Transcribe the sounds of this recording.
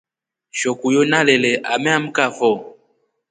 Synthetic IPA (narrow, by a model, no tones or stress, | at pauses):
ʃɔkujonalɛlɛʔa̰mɛam̩kafɔ